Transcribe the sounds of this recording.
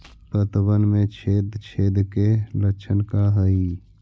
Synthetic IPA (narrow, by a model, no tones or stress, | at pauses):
pət̪bənmẽt͡ʃʰeːd̪t͡ʃʰeːd̪keləkt͡ʃʰənkaɦəi